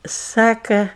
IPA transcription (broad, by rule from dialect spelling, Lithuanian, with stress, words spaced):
ˈsɑːkɐ